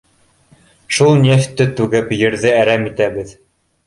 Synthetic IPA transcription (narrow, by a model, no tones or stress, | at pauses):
ʃulˠnʲeft̪ːɘt̪ʉɡɘpjɘ̆ɾðɘæɾæmit̪æβɘð